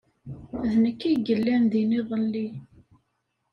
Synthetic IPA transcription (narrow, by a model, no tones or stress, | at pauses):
ðnəkːiɡəlːænðiniðˤəlːi